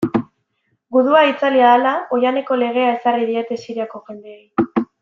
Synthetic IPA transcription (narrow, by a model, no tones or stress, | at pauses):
ɡuðuait͡saliaðalao̞jane̞ko̞le̞ɣ̞e̞ae̞sariðiet̪e̞siɾiako̞xe̞nd̪e̞ej